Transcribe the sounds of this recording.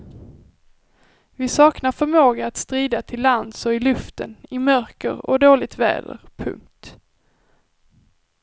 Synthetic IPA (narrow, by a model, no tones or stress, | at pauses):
vɪsɑːknaɾfœɾmoːɡaat̪st̪ɾiːd̪at̪ʰɪlːand̪sɔɪlɵft̪ənɪmœɾkə̰ɾɔ̰d̪oːlɪɡ̚t̪vɛ̰ːd̪ə̰ɾpʰɵ̰ŋk̚t̪